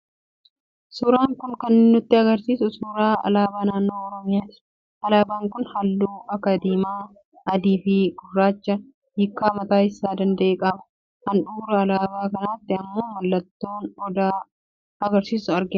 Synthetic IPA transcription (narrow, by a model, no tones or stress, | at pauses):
suːɾaːŋkʊnkɐnːɪnːʊt̪ːɪɐɡɐɾsiːsʊsuːɾaːɐ̰laːbaːnaːnːo̞ːɔɾɔmɪjaːt̪ɪ̥ | ɐlaːbaːŋkʊnhɐlːuːɐkːɐd̪iːmaː | ɐd̪iːfɪɡʊrːaːt͡ʃːɐ | hɪkːaːmɐt̪aːɪsːaːd̪ɐnd̪ɐʔeːkʼɐbɐ̥ | hɐnᶑuːɾɐɐlaːbaːkɐnaːt̪ːɪɐmːoːmɐlːɐt̪ːo̞ːnɔd̪aː | ɐɡɐɾsiːsʊɐɾɡɪn